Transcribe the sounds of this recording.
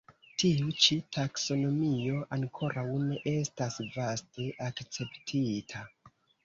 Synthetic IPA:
tiut͡ʃitʰakso̞no̞mio̞ʔaŋkʰo̞ɾʔawne̞ʔestasvaste̞ʔakt͡se̞ptʰitʰa

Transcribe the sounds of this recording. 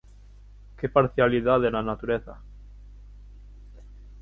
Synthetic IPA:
kepaɾθjaliðaðenanat̪uɾeθa

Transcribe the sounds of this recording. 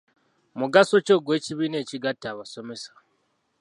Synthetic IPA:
muɡaso̞t͡ʃo̞ːɡwe̞ːciβine̞ːciɡatːaβaso̞me̞sḁ

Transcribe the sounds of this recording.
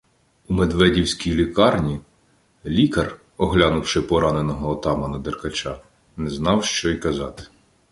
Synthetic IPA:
umed̪ʋɛdʲiwsʲkʲijlʲikɑrnʲi | lʲikɐr | ɔɦlʲanʊwʃɪpɔɾɑnenɔɦɔːt̪ɑmɐnɐd̪erkɐt͡ʃa | nɛznɑwʃt͡ʃɔikɐzɑt̪ɪ̥

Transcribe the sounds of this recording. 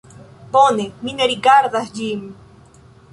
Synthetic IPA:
ponemineɾikaɾðasʎim

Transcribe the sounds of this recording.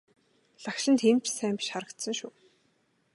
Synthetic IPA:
ɮakʃɪ̆nt̪xem̥t͡ɕsæːmpʲi̥ʃχaɾə̆kt̪sə̆ŋʃuː

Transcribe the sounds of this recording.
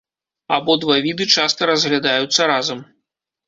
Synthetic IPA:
abɔd̪vavʲid̪ɨt͡ʂast̪ɐɾɐzɣlʲad̪ajut̪sːɐɾazɐm

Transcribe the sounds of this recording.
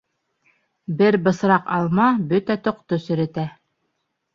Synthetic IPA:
bɘɾbɤ̆sɾɑqɑlˠmɑbɵt̪æt̪ŏqt̪osɵ̆ɾæ̆t̪æ

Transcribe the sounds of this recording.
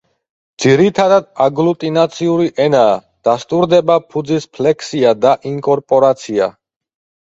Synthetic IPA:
d̪z̥iɾit̪ʰad̪ad̪aɡlut̪ʼinat̪sʰiuɾiʔɛnaː | d̪̥ast̪ʼuɾd̪ɛbapʰud̪zispʰlɛkʰsiad̪aʔiŋkʼɔɾpʼɔɾat̪sʰia̰

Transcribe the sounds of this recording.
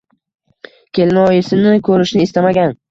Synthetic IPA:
kʲʰe̞lɪnɒjɪsɪnɪkʲʰɵɾɪʃnɪːst̪amaɡʲan

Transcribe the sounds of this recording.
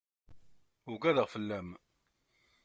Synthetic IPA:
ʊɡæðəʁfəlːæm

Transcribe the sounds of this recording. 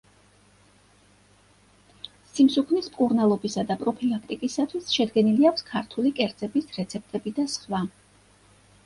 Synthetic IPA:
simsukʰnismkʼuɾnalˠɔbisad̪apʼɾɔpʰilˠak̚ʰt̪ʼikʼisat̪ʰwisʃɛd̪ɡɛniliakʰʷskʰaɾt̪ʰulikʼɛɾd̪z̥ʼɛbisɾɛt̪sʰɛp̚t̪ʼɛbid̪asχwa

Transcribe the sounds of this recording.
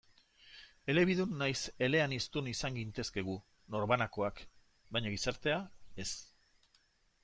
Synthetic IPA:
e̞le̞β̞iðunːajse̞le̞anist̪unisaŋɡint̪e̞ske̞ɣ̞u | no̞ɾβanako̞ak | bajɲaɣisaɾt̪e̞ae̞s

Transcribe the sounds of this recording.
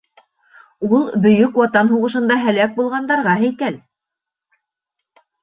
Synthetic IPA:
ulˠbɵ̆jɵkwɑt̪ɑnɦuʁɤ̆ʃɤ̆nd̪ɑɦælæk̚bulˠʁɑnd̪ɑɾʁɑɦɘ̆jkæl

